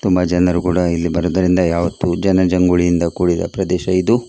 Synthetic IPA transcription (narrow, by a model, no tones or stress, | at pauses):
t̪umbɐd͡ʒɐnɐɾukuːɽɐilːibɐɾoːd̪ɐɾind̪ɐjaːʋɐt̪ːud͡ʒɐnɐd͡ʒɐŋɡuɭijind̪ɐkuːɽid̪ɐ̰pɾɐd̪ɛːʃɐid̪u